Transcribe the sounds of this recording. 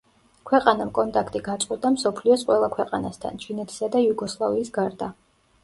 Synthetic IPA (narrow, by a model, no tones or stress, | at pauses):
kʰwɛqʼanamkʼɔnt̪ʼakʰt̪ʼiɡat̪sʼqʼwɛd̪amsɔpʰliɔsqʼwɛlˠakʰwɛqʼa̰nast̪ʰa̰nt͡ʃʰinɛt̪ʰi̥sad̪ajuɡɔslˠaviːsɡaɾd̪a